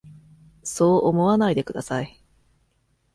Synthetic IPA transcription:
so̞ːʔomo̞βanaid̪e̞kɯ̟d̪asai

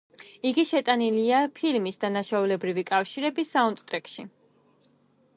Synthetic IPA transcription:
iɡiʃɛt̪ʼaniliapʰilmisd̪anaʃaulɛbɾivikʼafʃiɾɛbisaunt̪ʼt̪ʼɾɛkʼʃi

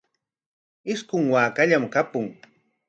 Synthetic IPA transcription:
ɪskʊŋwaːkaʎamkapʊŋ

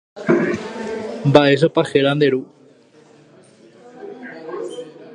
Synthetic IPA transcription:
baes̬opaxeɾand̪eɾu

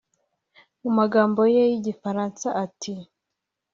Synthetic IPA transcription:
mumaɡaːmbo̞jejiɟifaɾaːnsaʔatʰi

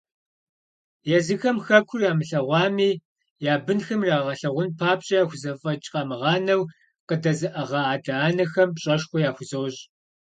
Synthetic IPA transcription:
jɛzɨxɐmxɐkʷʰʊrjaːmɨɬɐʁʷɑːmiː | jaːbɨnxɐmraːʁɐɬɐʁʷʊnpʰaːpɕʼɐjaːxʷʊzɐfʼɐt͡ʃʼqʼɐmɨʁɑːnɐw | qədɐzɨʔɐʁɐaːdaːnɐxɐmpɕʼɐʂxʷɔjaːxʷʊzowɕ

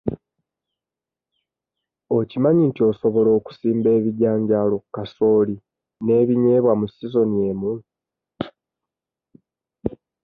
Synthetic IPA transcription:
ocimaɲintio̞ːso̞βo̞lo̞ːku̥siːmbe̞ːβiɟaːɲɟaːlo̞kaso̞ːli | ne̞ːβiɲe̞ːβwamusizo̞nie̞ːmu

